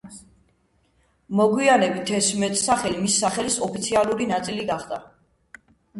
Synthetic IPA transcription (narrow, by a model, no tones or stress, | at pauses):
mɔɡwianɛbit̪ʰɛsmɛt̪ʼsaχɛlimisːaχɛlisɔpʰit̪sʰialˠuɾinat̪sʼiliɡaχd̪a